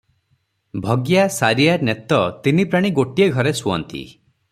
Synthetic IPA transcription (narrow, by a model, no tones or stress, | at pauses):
bʱɔɡjasaɾiaɾnet̪ɔt̪inipɾaɽ̃iɡoʈieɡʱɔɾesuɔ̰nt̪ḭ